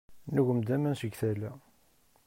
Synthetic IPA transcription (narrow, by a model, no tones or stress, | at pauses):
nuʝəmd̪æmænsəɡθælæ